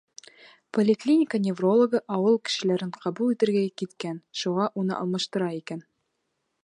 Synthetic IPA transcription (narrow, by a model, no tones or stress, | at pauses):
polʲɪklʲinʲɪkənʲevro̞lˠoɡɤʔɒwɤlˠkɘ̥̆ʃɘ̆læɾɘɴqʰɑbulˠit̪ɘ̆ɾɡækit̪kænʃuʁɑʔunɤ̰ʔɒ̰lˠmɑʃt̪ɤ̆ɾɑikæn